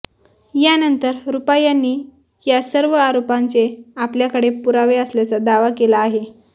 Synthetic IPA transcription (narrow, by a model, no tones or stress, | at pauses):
janənt̪əɾɾupajanːiː | jasəɾʋəaɾopant͡seapljakəɽepuɾaʋeəsljat͡sad̪aʋakelaːɦe